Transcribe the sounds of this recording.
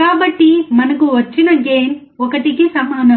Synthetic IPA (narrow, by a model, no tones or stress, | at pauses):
aːbɐʈːimɐnɐkuʋɐt͡ʃːinɐɡeːn | ɔkɐʈikisɐmaːnɐ